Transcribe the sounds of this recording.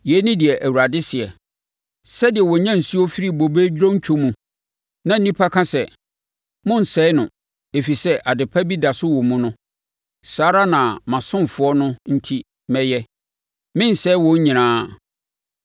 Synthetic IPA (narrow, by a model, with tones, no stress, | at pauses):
jɛ˨˦nɪ̃˦dɪ˨ɛ˨ʔæ˨wu˨ɾa˨dɪ˦sɪ˨ɛ˨ | sɛ˦dɪ˨ɛ˨wɔ˨ɲã˦n̩˨su˦ɔ˦fi˦ɾi˦bo˨beː˦d͡ʑᶣɾõ˦ɲ̩˦t͡ɕᶣʰu˦mũ˨ | nã˨n̩˦nĩ˦pʰa˦kʰã˦sɛ˨ | mʊ̃˦n̩˨sɛ˦ɪ˦nʊ̃˨ | e˨fi˨sɛ˦ʔa˨dɪ˨pʰa˦bi˦da˨sʊ˦wɔ˨mũ˦nʊ̃˦ | saː˨˦ɾa˦nã˨mã˨sʊ̃˦m˨fʊ˨˦ɔ˦nʊ̃˦n̩˦tʰi˦ | mɛ̃˦jɛ˦ | mɪ̃˦n̩˨sɛ˦wɔ̃˨˦ɲ̩˦ɲĩ˨ɾãː˦